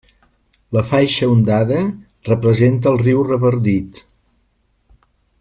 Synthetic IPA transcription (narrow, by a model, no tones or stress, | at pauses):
ləfajʃəund̪aðə | rəpɾəzent̪̬əːlˠriwrəβəɾd̪it̪